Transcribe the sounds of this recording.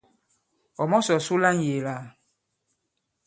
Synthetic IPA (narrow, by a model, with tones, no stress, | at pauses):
ɔ˨mɔ˦sɔ˨su˦la˦ŋ̩˦je˨la˦˨